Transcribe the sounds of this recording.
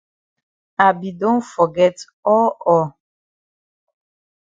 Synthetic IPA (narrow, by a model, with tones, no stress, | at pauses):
a˨bi˨dõ˦nfɔ˨ɡɛ˦t | ɔ˦lɔ˦˨